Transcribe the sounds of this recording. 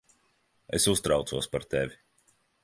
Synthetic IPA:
esust̪ɾawt̪suɔspaɾt̪evi

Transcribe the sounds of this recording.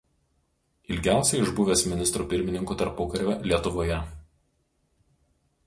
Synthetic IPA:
ɪlʲɡʲæˑʊsʲɛɪɪʒbʊʋʲeːsmʲɪnʲɪst̪ɾuːpʲɪɾʲmʲɪnʲɪŋkuːt̪ɐɾpoːkɐɾʲʋʲɛlʲiɛt̪ʊʋoːjɛ

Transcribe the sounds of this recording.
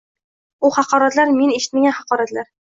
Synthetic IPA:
uhɑqɒɾat̪laɾme̞neʃɪ̥t̪maɡʲanhɑqɒɾat̪laɾ

